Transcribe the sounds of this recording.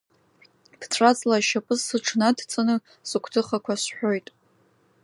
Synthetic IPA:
b̥ʰt͡sʰrat͡sʼlaʃapʼɨzːɨʈ͡ʂʰnadt͡sʰʼanɨ | sɨkʷʰtʰɨχakʷʰasħʷᶣojtʼ

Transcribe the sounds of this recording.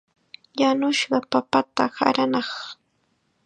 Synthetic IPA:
janʊʃɢɑpapat̪aha̰ɾanɑχ

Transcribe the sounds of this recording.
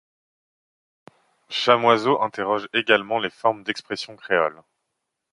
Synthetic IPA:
ʃamwazoʔɛ̃t̪eʁɔʒeɡalmɑ̃lefɔʁmd̪ɛkspχesjɔ̃kχeɔ̰l

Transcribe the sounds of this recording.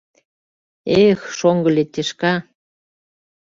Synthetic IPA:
exʃoŋɡə̆lʲet̪ʲːeʃkɑ

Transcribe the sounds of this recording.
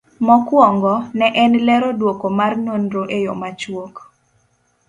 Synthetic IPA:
mɔkwɔŋɡɔnɛʔɛnlɛɾɔdwokomarnonɾoʔejɔmat͡ʃwok

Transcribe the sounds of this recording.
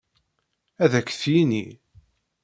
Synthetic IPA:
æðækːθjini

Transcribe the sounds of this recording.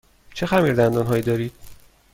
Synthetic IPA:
t͡ʃʰexæmiːɾd̪ænd̪ɒːnɦɒːjiːd̪ɒːɾiːd̪̥̚

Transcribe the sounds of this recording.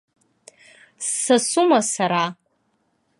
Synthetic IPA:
sːasumasaɾa

